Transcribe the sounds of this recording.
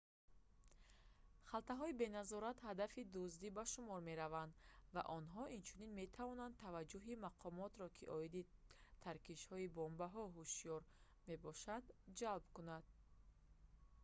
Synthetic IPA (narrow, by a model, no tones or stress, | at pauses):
χalt̪aɦɔibe̞nazɔɾat̪had̪afid̪uzd̪ibaʃumɔɾme̞ɾavand̪va̰ʔɔnɦɔʔint͡ʃʰuninme̞t̪ʰavɔnan̚t̪ʰavad͡ʒuɦimaqʰɔmɔt̪ɾɔkʰiʔɔid̪it̪ʰaɾkiʃhɔibɔmbaɦɔɦuʃijɔɾ | me̞bɔʃad̪d͡ʒalbkunad̪̥̚